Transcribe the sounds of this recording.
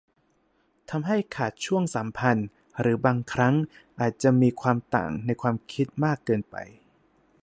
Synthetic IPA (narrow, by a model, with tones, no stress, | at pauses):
t̪ʰa˧mɦa˥˩jkʰaː˨˩t̪̚t͡ɕʰu˥˩əŋsaː˩˦mpʰa˧n | ɾɯː˩˦baː˧ŋkʰɾa˦˥ŋʔaː˨˩t̪̚t͡ɕa˨˩miː˧kʰwaː˧mt̪a̰ː˨˩ŋna˧jkʰwaː˧mkʰi˦˥t̪̚maː˥˩kːɤː˧npa̰˧j